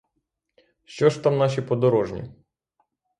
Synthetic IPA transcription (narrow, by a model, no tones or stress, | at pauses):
ʃt͡ʃɔʒt̪ɑmnɑʃ̬ipɔd̪ɔɾɔʒnʲḭ